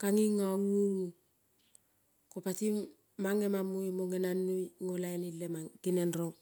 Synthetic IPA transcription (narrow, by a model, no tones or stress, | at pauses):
kaŋiŋaŋuɾu | kopatimː | aŋːemamːujmoŋenanːuŋolajnilːemaɡinenɾo